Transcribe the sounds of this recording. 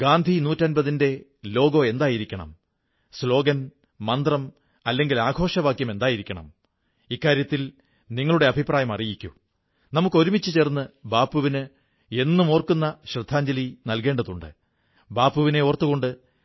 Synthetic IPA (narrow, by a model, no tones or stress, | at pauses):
ɡaːnd̪ʱinuːtːɐnbɐðinde̞lo̞ːɡoe̞nd̪aːjiɾikʲːɐɳɐ̰m | slo̞ːɡɐn | mɐnd̪rɐm | ɐlːe̞ŋɡilaːɡʱo̞ːʂɐʋaːkjɐme̞nd̪aːjiɾikʲːɐɳɐ̰m | ikːaːɾjɐt̪ːil | niŋːɐɭuɽe̞ɐbʱipraːjɐmɐrijikʲːṵ | nɐmukːo̞ɾumit͡ɕːɨt͡ɕe̞ːrnːɨbaːpːuʋinɨ | e̞nːumoːrkːunːɐɕrɨd̪ʱːaːɲd͡ʑɐlinɐlke̞ːɳɖɐðuɳɖɨ̰ | baːpːuʋine̞ort̪ːuɣo̞ɳɖɨ